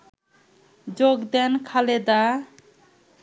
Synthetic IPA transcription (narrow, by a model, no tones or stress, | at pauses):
d͡ʑoɡd̪ɛnkʰaled̪a